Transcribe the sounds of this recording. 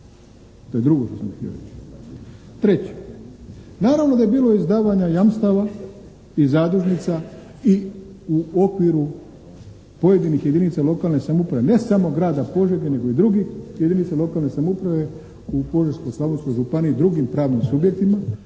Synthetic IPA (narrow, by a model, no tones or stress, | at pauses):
t̪oje̞d̪ɾuɡoʃt̪osamxt̪ḭo̰ɾḛt͡ʃ | t̪ɾe̞t͡ɕe̥ | naːɾaʋnod̪aje̞biːlo̞izd̪aːʋaɲajamst̪aʋa | izaːd̪ɾuʒnit̪sa | i | uo̞kʋiɾu | po̞je̞d̪inixje̞d̪init̪salo̞kalˠne̞samoupɾaʋene̞samo̞ɡɾaːd̪apo̞ʒeɡene̞ɡo̞id̪ɾuɡixje̞d̪initsalo̞kalˠne̞samoupɾaʋe̞ | upo̞ʒeɾsko̞jslaʋonsko̞jʒupanid̪ɾuɡimpɾaːʋnimsubjek̚t̪ima